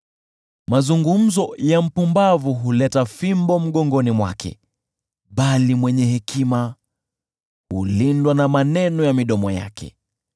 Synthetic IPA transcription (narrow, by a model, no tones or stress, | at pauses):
mazuŋɡum̩zɔjam̩pumbavuɦulɛtafimbɔm̩ɠɔŋɡɔnimwa̰kɛ̰ | ɓalimwɛɲɛhɛkʰima | hulindwanamanɛnɔjamiɗɔmɔja̰kʰɛ̰